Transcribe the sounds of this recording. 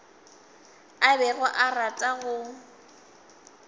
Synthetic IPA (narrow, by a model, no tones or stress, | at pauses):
abɛɣʊʔaratʼaɣʊ